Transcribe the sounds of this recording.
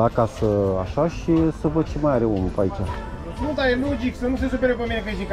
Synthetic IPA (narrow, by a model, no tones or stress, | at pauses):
akasəaʃaʃisəvət͡ʃimajaɾeomupait͡ʃa | nud̪aelod͡ʒiksənus̬esupeɾepeminepeʃik